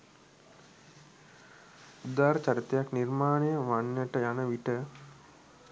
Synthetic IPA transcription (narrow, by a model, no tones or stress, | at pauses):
ud̪aːɾt͡ɕaɾit̪ejaknirmaːnejəʋanːəʈəjanəʋiʈə